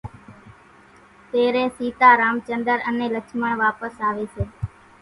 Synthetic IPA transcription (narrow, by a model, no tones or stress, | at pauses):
t̪eːɾeːsiːt̪aːɾaːmt͡ʃənd̪əɾəneːlət͡ʃʰməɳʋaːpəsaːʋeːseː